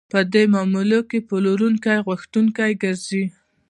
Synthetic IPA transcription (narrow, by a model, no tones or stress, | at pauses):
pəd̪emɑmulokepoloɾuŋkajɣwʊxt̪uŋkajɡəɾzi